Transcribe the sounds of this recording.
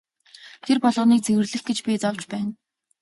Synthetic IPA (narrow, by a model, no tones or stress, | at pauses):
t̪ʰerpɔɮʁə̆ːniːk̚t͡sewɘ̆rɮɘ̆xɡet͡ɕpʲit͡sɔwt͡ɕpæːn